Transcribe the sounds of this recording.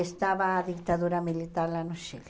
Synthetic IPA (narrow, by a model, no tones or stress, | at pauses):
est̪aβaːðikt̪aðuɾamilit̪aɾlanuʃil